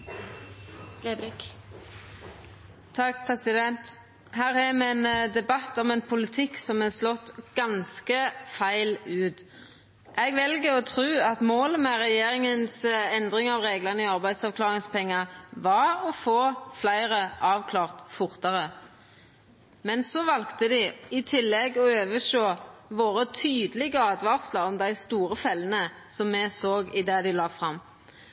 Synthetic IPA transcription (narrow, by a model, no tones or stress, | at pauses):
ɾ | t̪ʰɑk̚ːpʰʁɛsɪd̪ɛnt̪ | hæːʁhɛmɛɛnd̪ɛbɑt̪ɔmɛnpʰʊlɪt̪ʰɪksɔmɛslɔt̪ːɡ̥ɑnskəfæɪlʉːt̪ | ʔɛɡʋɛlɡəɔt̪ʰʁʉːɑt̪moːləmɛʁɛjeːʁɪŋənsɛnd̪ʁɪŋɑʋʁeːɡlɑnəiɑʁbæɪd̪sɑʋkʰlɑːʁɪŋspʰɛŋːɑʋɑʁɔfoːflæɪʁəʔɑːʋkʰlɑːʁt̪fʊʁt̪ɑʁə | mɛnsɔʋɑlkt̪əd̪ɪɪt̪ʰɪlːɛɡɔøːʋəʃoːʋoːʁət̪ʰyːd̪əlɪɡəɑːd̪ʋɑʁsləɔmd̪æɪst̪uːʁəfɛlːənə | sɔmːɛsoːɡɪd̪ɛd̪ɪlɑːfʁɑmː